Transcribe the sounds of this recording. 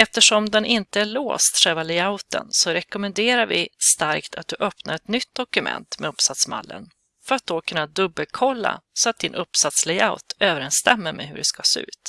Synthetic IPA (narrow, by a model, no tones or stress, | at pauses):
ɛft̪əʂɔmd̪ɛnʔɪnt̪əæɭoːst̪ʂɛlvalɛjaʊt̪ə̰nsɔɾɛkɔmənd̪eːɾaɾvɪst̪aɾkt̪ʰat̪̚d̪ɵʔœpna̰ɾɛt̪nʏt̪̚d̪ɔkɵmɛ̰nt̪mɛɵpsat̪sma̰lːə̰n | fœɾat̪̚d̪okʰɵnːad̪ɵbːəlkʰɔlːa̰sɔat̪̚d̪ɪnʔɵpːsat̪slɛaʊt̪øːvəɾɛnst̪ɛmːəɾmɛ̰ɦɵ̰ɖɛskaseːʉ̟̰ːt̪